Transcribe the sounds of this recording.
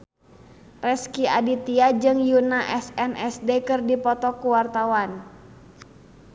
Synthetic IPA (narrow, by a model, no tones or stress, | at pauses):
rɛskia̰dit̪iad͡ʒɨŋjunaʔɛsɛnɛsdekɨrdipɔt̪ɔkuwart̪awan